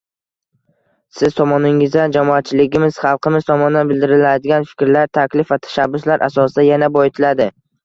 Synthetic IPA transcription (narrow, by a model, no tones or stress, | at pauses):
sɪz̥t̪ʰɒmɒnɪŋɪzd̪and͡ʒamɒat̪̚t͡ʃʰɪlɪɡʲɪmɪz̥χɑlˠqʰɨmɪzt̪ʰɒmɒnɪd̪anbɪld̪ɪɾɪlad̪ɪɡʲanfɪ̥kʲɾlaɾt̪ʰakʲlɪfvat̪ʰḁʃabːʊslaɾʔa̰sɒsɪd̪ajanabɒɪt̪ʰɪlad̪ɪ